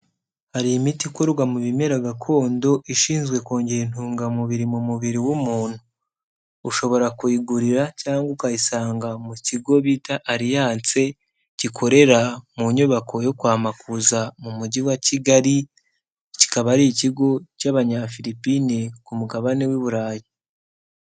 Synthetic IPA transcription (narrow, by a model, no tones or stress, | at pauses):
haɾiimitikwoɾuɡamuβime̞ɾaɡakʰo̞ːndo̞ʔiʃiːnzɡwe̞ko̞ːɲɟeɾen̥uːŋɡamuβiɾimumuβiɾiwumuːn̥huː | ʃo̞βo̞ɾakuiɡuɾiɾacaːŋɡukajisaːŋɡamuciɡo̞βitaʔːɾijaːnt͡se̞ | cikʰo̞ɾe̞ɾamuɲuβako̞jo̞kwaːmakuzamumuɟiwaciɡaɾi | ci̥kaβaɾiciɡo̞caβaɲafiɾipinikumuɡaβanewiβuɾaːji